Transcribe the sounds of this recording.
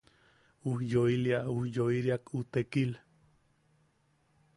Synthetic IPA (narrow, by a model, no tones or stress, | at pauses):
uhjoiliauhjoiɾiakut̪ekil